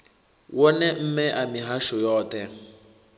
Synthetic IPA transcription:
wɔnɛm̩mɛʔamiɦaʃʊjɔːtɛ

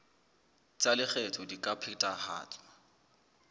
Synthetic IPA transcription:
t͡sʼalɪk͡xɛtʰɔdikʼapʰɪtʼaha̰ːt͡sʼwa

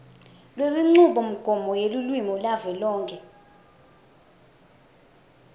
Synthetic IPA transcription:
lweliŋ͡ǀuɓɔm̩ɡ̥ʱɔmɔjelulwimɔlavɛlɔːŋkʰʼɛ

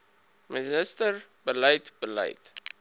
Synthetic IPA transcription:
mɛzəstərbələjtb̥ələ̰jt

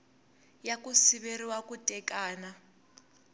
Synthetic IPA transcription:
jakusiβeriwakʼutʼɛkʼaːna

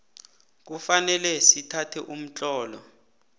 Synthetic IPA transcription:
k̬ufanɛlɛsitʰatʰɛʔum̩t͡ɬʼɔːlɔ

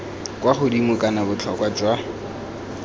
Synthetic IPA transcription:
kʼwaχʊdimʊkʼanabʊt͡ɬʰɔkwad͡ʒwa

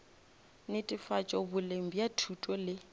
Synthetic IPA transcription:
nɪtʼifat͡ʃʼɔbʊlem̩bijatʰutʼɔlɪ

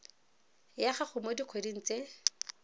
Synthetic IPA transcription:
jaχaχʊmodiq͡χʰwedin̩t͡se

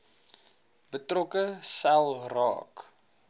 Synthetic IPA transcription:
bətrɔkəsɛlˠrɑ̰ːk

